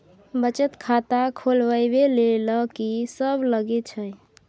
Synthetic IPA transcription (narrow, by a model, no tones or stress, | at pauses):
bət͡ʃət̪kʰat̪akʰolʋəjbeleləkisəbləɡet͡ʃʰəj